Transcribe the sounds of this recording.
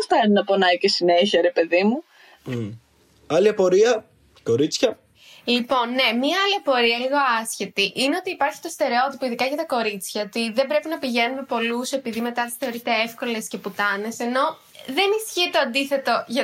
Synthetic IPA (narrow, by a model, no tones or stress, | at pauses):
ost̪ɐninɐpo̞nɐicesineçiɐɾe̞pe̞ðimu | ɐliɐpo̞ɾiɐ | ko̞ɾit͡sçɐ | lipo̞nːe̞mɲɐɐliɐpo̞ɾiɐliɣo̞ɐsçe̞t̪iʔine̞o̞t̪iːpɐɾçi̥t̪ost̪e̞ɾeo̞t̪ipoiðikɐʝɐt̪ɐko̞ɾit͡sçɐot̪iðe̞bɾe̞pinɐpiʝe̞nume̞po̞luse̞piðime̞t̪ɐt̪sθeoɾiet̪eefko̞le̞sce̞put̪ɐne̞se̞no̞ | ðe̞nisçiet̪o̞ɐnd̪iθe̞t̪o̞ʝɐ